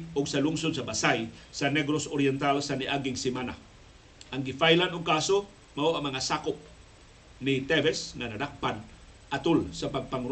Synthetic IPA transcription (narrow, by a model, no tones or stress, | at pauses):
ʊɡsaluŋsʊnsabasajsanɛɡɾosoɾiɛnt̪alsaniaɡɪŋsimana̰ | ʔaŋɡifajlanʊŋkaso | mauamaŋasakʊp̚ | nit̪ɛvɛsŋanadak̚pan | ʔat̪ʊlsapaŋpaŋɾ